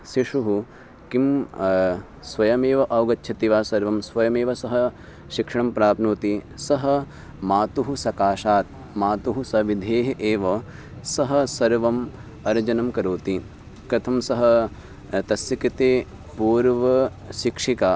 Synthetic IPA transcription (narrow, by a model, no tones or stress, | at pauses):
siʂuɦu | kim | sʋɐjɐmeːʋɐʔɐwɡɐt̪ːʃʰɐt̪iʋaːsɐɾʋɐmsʋɐjɐmeːʋɐsɐɦɐ | ʃikʂɐɳ̃ɐmpɾaːpnuːt̪isɐɦɐ̆ | maːt̪uɦusɐkaːʃaːt̪̚ | maːt̪uɦusɐʋid̪ʱeːɦɐʔeːʋɐ | sɐɦɐ̆sɐɾʋɐm | ɐɾd͡ʒɐnɐmkɐɾoːt̪i | kɾɐt̪ʰɐmsɐɦɐ̆ | t̪ɐsjikit̪eː | puːɾʋɐ | ʃikʂikaː